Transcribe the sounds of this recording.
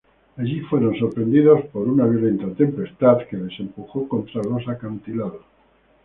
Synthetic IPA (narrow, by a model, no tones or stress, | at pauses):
aʎifweɾo̞nso̞ɾpɾe̞nd̪iðo̞spo̞ɾunaβjole̞nt̪at̪e̞mpe̞st̪aðkeðe̞se̞mpuxoko̞nt̪ɾarosakant̪ilaða